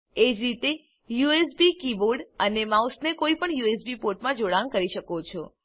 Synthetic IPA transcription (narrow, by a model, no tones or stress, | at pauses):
ed͡ʒɾit̪e | juesbikiboɾɖənemausnekoipəɳjuesbipoɾʈmãd͡ʒoɽankəɾiʃəkot͡ʃʰo